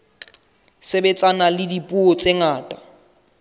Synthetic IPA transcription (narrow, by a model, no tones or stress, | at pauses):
sebet͡sʼanalɪdipʼuɔt͡sʼeŋaːtʼa